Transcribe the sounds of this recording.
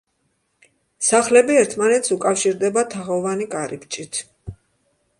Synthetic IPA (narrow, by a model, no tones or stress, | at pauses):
saχlɛbiɛɾt̪ʰmanɛt̪sukʼafʃiɾd̪ɛbat̪ʰaʁɔvanikʼaɾipt͡ʃʼit̪ʰ